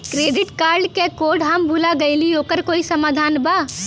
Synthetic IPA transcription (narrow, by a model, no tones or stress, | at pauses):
kɾeɖiʈkaɾɖkekoɾɖɦəmbʱulaɡəɪliokəɾkoisəmad̪ʱanba